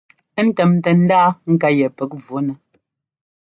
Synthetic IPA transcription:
n̩˦˨tɛ˨mtə˨n̩˦daː˦ŋ̩˨ka˦jɛ˨pɛ˨˦k̚vo˨˦nə˨

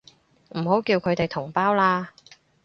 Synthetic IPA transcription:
m̩˨˩ho˨˥wkiː˧wkʰɵ˨˧ɥt̪e˨jt̪ʰʊ˨˩ŋpaː˥wlaː˧

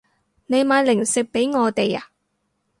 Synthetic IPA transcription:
ne˨˧jmaː˨˧˥lɪ˨˩ŋsɪ˨k̚pe˨˥jŋɔː˨˧t̪e˨ja̰˨

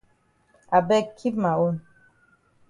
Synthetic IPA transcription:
a˨bɛ˦kʰi˦pma˨wo˦n

